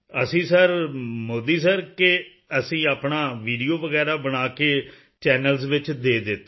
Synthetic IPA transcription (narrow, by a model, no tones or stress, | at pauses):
əsĩːsəɾmoːd̪iːsəɾkɪ | əsĩːaːpɳaːʋiːɖijoːʋəɡɛːɾaːbənaːkeː | t͡ʃɛːnəlzʋɪt͡ʃd̪eːd̪ɪt̪ː